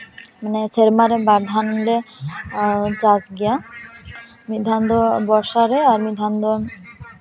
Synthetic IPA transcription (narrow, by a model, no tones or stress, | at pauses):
maneseɾmaɾebaɾd̪ʱanɾe | d͡ʑasɡija | mid̪ʱand̪obɔʃaɾeaɾmid̪ʱand̪o